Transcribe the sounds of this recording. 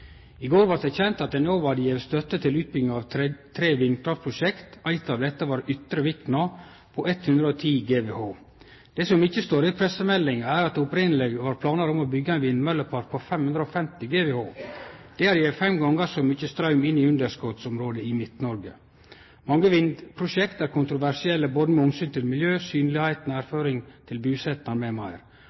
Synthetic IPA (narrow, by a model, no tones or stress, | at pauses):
ɪɡoːɾʋɑʈ̪d̪ɛçɛnt̪ɑt̪̚d̪ɛnoːʋɑd̪jɛʋst̪œt̪ːət̪ʰɪlʉːt̪̚bʏɡɪɑʋt̪ʰɾeːʋɪnːkʰɾɑft̪pʰɾʊʂɛkt̪æɪt̪ɑʋd̪ɛt̪ːəʋɑːɾʏt̪ɾəʋɪk̪nɑ | pʰɔʔɛt̪hʉnd̪ɾəɔt̪ʰiːɡeːʋehoː | d̪̥ɛːsɔmɪçːəst̪oːɾɪpʰɾɛsəmɛlːɪŋəæːɾɑt̪ʊpɾɪnəlɛɡʋɑːɾpʰlɑːnəɾɔmobʏɡːəɛɪnʋɪnːmœlːəpʰɑɾpʰɔfɛmhʉnd̪ɾəɔfɛmt̪ɪɡeːʋehoːd̪̥ɛæɾjæɪfɛmɡɑŋːəsɔmʏçəst̪ɾɑʉmɪnːɪʉnd̪əʂkɔt̪sʊmɾoːd̪əɪmɪt̪nɔɾɡə | mɑŋːəʋɪnd̪pʰɾʊʃɛkt̪æɾkʰʊnt̪ɾʊʋæʂɪɛlːəboːd̪əmɛʊmsyːnt̪ɪlmɪljøːsyːnlɪhæɪt̪næːɾføːɾɪŋt̪ʰɪlbʉːsɛt̪nɑɾmɛmæɪɾ